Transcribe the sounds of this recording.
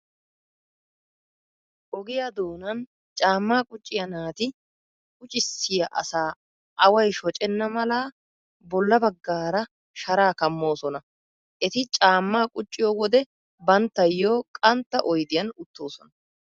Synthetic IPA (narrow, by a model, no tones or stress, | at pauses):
ʔɔɡɪjɐd̪oːnɐn | t͡ʃʼaːmːaːkʼʊt͡ʃʼːɪjɐnaːt̪ɪ | kʼʊt͡ʃʼɪsːɪjɐʔɐ̰saː | ʔɐwɐjʃɔt͡ʃʼɛnːɐmɐlaː | bɔlːɐbɐɡːaːɾɐ | ʃɐɾaːkɐmːo̞ːsɔnɐ | ʔɛt̪ɪt͡ʃʼaːmːaːkʼʊt͡ʃʼːɪjoːwɔd̪ɛ | bɐnt̪ːɐjːo̞ːkʼɐnt̪ːɐʔɔjd̪ɪjɐnʊt̪ːo̞ːsɔnɐ